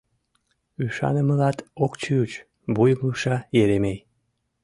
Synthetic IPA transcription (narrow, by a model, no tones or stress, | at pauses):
yʃɑ̰nəməlɑt̪okt͡ɕyut͡ɕ | bujmuʃɑjeɾemej